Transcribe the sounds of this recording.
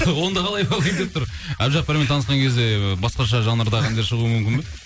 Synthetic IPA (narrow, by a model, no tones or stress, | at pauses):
wo̞nd̪ɑqʰɑlˠɑjbɑlˠijmd̪ep̚t̪ʊɾæbʒɑq̚bɪɾme̞nt̪ʰɑnəsqɑŋkʲʰe̞zd̪e̞bɑsqɑʃɑʒɑnəɾd̪ɑqænd̪eɾʃəʁuəmʏmkʲɪnbe